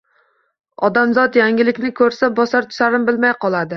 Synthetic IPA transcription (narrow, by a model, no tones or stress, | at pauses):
ɒd̪amzɒt̪jaŋʲɪlɪkʲnɪkʰɵɾsabɒsaɾt̪ʰʊ̥ʃaɾɪmbɪlmajqʰɒlˠad̪ɪ